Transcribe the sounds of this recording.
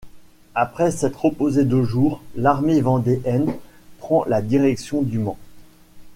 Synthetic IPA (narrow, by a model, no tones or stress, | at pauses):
apχɛsɛt̪χɔpozed̪əʒuːʁlaʁmevɑ̃d̪eʔɛnpχɑ̃lad̪iʁɛksjɔ̃d̪ymɑ̃